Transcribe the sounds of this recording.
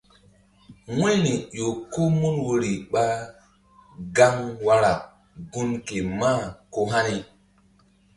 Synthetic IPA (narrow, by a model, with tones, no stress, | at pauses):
wwe˦ni˨jo˨ku˦mu˦nwo˨ɾi˨ɓa˦ | ɡa˦ŋwa˦ɾa˨ | ɡu˦nke˨ma˦ko˦ɦa˦ni˨